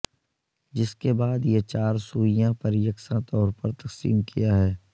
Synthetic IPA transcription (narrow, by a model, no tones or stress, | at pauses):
d͡ʒɪskebaːd̪jet͡ʃaːɾsuːɪjãpɐɾjəksãt̪ɔːɾpɐɾt̪ɐqsḭːmkʰijaɦɛː